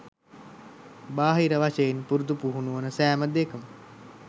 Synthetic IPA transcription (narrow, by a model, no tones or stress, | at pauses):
baːɦiɾəʋaʃejenpuɾud̪upuɦunuʋənəsæːməd̪ekəmə